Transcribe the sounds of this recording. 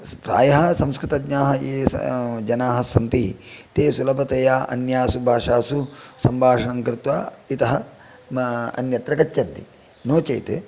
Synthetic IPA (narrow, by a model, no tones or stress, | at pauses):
pɾa̰ːjɐɦɐsɐmskɾɪt̪ɐɡɲaːɦɐeːsd͡ʒɐnaːɦɐsɐnt̪it̪eːsulɐbʱɐt̪ɐjaːʔɐ̰njaːsubʱaːʂaːsusɐmbʱaːʂɐɳɐŋkɾɪt̪ʋaːit̪ɐɦɐ | ɐ̰njɐt̪ɾɐkɐt͡ʃːt͡ʃɐnt̪ḭ | noːt͡ʃɐ̰jt̪e